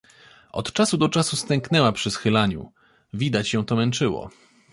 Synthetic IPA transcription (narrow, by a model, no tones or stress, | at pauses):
ɔ̰t̪t͡ʂasud̪ɔt͡ʂasust̪ɛŋknɛwapʂɘsxɘlaɲṵ | vʲid̪at͡ɕjɛ̃w̃t̪ɔmɛnt͡ʂɘwɔ̰